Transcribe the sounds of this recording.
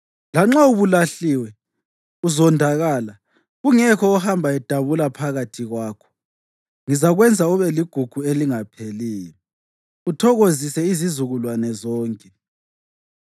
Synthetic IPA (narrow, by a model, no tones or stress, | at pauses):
laŋ͡ǁauβulaɬiwɛ | uzɔndʱaɣaːla | ɣuŋɛkʰɔuhambʱaɛd̥ʱaβulapʰaɣatʰiɣwaːkʰɔ̥ | ŋizaɣwɛnd͡zʱauβɛliɡ̥ʱuɡ̥ʱueliŋapʰeliːjɔ | utʰɔɣozisɛizizuɣulwanɛzɔːŋkʼɛ